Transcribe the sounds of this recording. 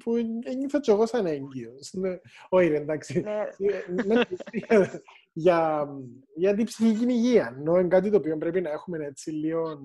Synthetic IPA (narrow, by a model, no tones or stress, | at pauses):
pʰueɲːiθɐt͡ʃːoɣosɐneɲɟiosneoiɾiend̪aksisimepisi | ʝɐ | ʝɐt̪̬ipsiçiciniʝiɐnːoeŋɡat̪̬it̪o̞ːpio̞mbɾe̞pinɐe̞xume̞net͡sːilion